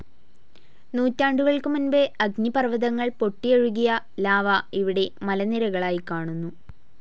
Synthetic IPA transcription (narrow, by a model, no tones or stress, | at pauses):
nuːtːaːɳɖuɣɐɭkumunbeɐɡnipɐrʋɐðɐŋːɐɭpo̞ʈːijeɻuɣijɐ | laːʋɐiʋiɽe̞mɐlɐniɾɐɣɐɭaːjikːaːɳunːu